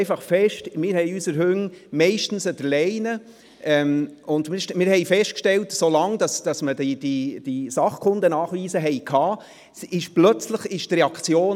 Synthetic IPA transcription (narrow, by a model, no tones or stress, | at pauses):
ɪfɑχfɛʃtmɪːɾhɛɪysəɾɦʉŋmɛɪʃtn̩səd̥əɾlɛɪnə | ʔɛmʊndmɪɾʃmɪːɾhɛɪfɛʃt̚kʃtɛltsolɑŋd̥ɑsd̥ɑsmədid̥id̥isɑχkʰʊndənɑːχʋiːzəɦɛɪkʰɑː | sɪʃplœt͡sləχɪʃtrɛɑkt͡sjoːn